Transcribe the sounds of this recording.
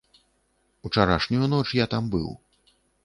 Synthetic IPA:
ut͡ʂaɾa̰ʂnʲujunɔt͡ʂjat̪ambɨ̰w

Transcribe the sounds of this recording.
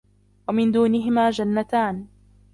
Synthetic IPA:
wamɪnd̪uːnɪɦɪmaːd͡ʒanːat̪aːn

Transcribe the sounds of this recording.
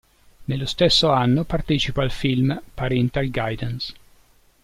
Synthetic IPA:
nelːost̪esːoanːopart̪et͡ʃipaːlfilmpaɾɛnt̪alɡajd̪ans

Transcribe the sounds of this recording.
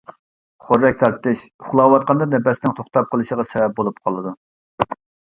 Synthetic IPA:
χoɾːɛk̚ʲt̪ʰɑɾt̪ːɨʃχʊlˠɑwɑt̪̚qɑnd̪ɑnɛbɛsɪnɪŋt̪ʰoχt̪ɑp̚qʰəlˠɨʃəʁɑsɛvɛp̚bolˠup̚qʰɑlˠɨd̪u

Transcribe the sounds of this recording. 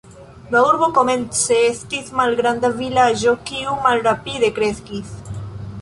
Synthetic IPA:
dauɾβokomẽnseest̪izmalɡɾand̪avilaʒokiumalrapiðekɾeskis

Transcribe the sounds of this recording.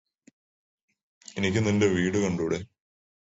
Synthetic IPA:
enikʲːɨninde̞ʋiːɽukɐɳɖuːɽe̞

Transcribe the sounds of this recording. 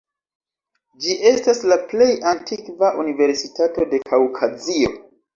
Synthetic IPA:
d͡ʒiʔe̞staslaple̞jantikvaʔunive̞ɾsitato̞de̞kʰawkʰazio̞

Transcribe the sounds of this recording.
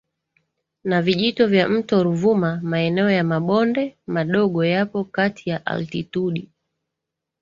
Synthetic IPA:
naviʄitɔvjam̩tɔɾuvumamaɛnɛɔjamaɓɔndɛmaɗɔɠɔjapɔkatʰijaʔa̰ltituɗi

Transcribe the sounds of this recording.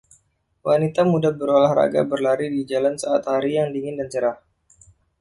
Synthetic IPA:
wanit̪amudabəɾolahɾa̰ɡa̰bərlaɾidid͡ʒalansaat̪haɾijaŋdiŋɪndant͡ʃəɾah

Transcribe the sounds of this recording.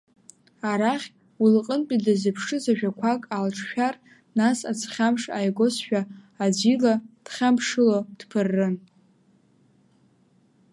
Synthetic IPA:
aɾaχʲ | wilqʼənt͡pʲʼidɨzɨpʰʂɨzaʒᶣakʷʰakʼalʈ͡ʂʰʃᶣar | nasat͡sʰχʲamʂajɡo̞sʃᶣaː | d͡zilad̥χʲampʰʂɨlod̥pʰɨrːɨn

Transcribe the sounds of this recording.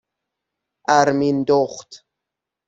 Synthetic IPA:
ʔæɾmind̪oχt̪

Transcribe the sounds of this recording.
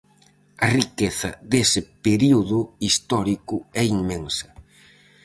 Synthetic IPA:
ɐrikeθɐ̰ðesɪpeɾiuðʊist̪ɔɾikʊɛiŋmeŋsɐ

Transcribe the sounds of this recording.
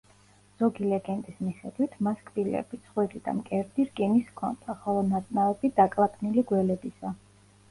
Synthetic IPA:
z̥ɔɡilɛɡɛnt̪ʼismiχɛd̪̥wit̪ʰmaskʼbilɛ̰bit̪sʰχwiɾid̪a̰mkʼɛɾd̪iɾɡʼɛniskʰɔ̰nd̪̥aχɔlˠɔnat̪sʼnavɛbid̪akʼlat̪ʼniliɡwɛlɛbisa

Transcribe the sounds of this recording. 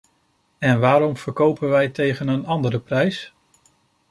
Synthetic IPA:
ɛnʋaːɾɔmv̥əɹkowpənʋɛjtejχənənɑndəɾəprɛjs

